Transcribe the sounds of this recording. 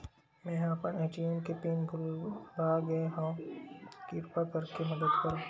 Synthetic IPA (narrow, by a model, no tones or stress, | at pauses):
mɛ̃ːapənɛ̃ːt͡ʃijõkepeːnɡʱʊlbaɡɐeɦãː | kiɾpakɐɾkemɐd̪əd̪kɐɾõ